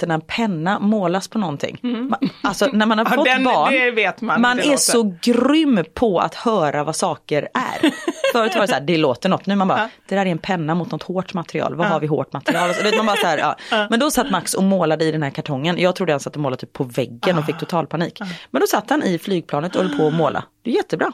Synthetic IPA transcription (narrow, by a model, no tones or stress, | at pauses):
t̪ːɛnapʰɛnːamoːlaspʰɔnɔnt̪ʰɪ̰ŋːmalsɔnæɾmanhaɾfɔt̪ːbɑːɳveːt̪mmanɛsɔɡɾʏmːpʰɔa̰t̪hœːɾavasɑːkəɾæ̰ɾfœːɾət̪vɑːɾɛssaæːɖɛloːt̪əɳɔt̪nʉ̟ːmanbɑɾd̪̥ɛd̪æːɾɛɾɛnpʰɛnːamʊt̪nɔt̪hoːʈmat̪ɾɪɑ̰ːlvaɦaɾvɪɦo̰ːʈmat̪ɾɪɑːlsd̪veːt̪manbɑːɾasahæːɾɑ̰ːmɛnd̪ɔsat̪ːmaksɔmoːlad̪əɪd̪ɛnhæːɾkʰaʈʰɔŋːənjɑːɡt̪ʰɾuːd̪əansat̪ːɔmoːladt̪ʰyːpʰːɔvɛɡːənɔfɪk̚ːt̪ʰʊt̪ʰɑːlpʰaniːkmɛnd̪ɔsat̪ːhanɪflyːɡ̚pʰlɑːnət̪ɔhɔlːpʰɔɔmoːlʔa̰d̥̪ɛːɾjɛt̪ʰːəbɾɑː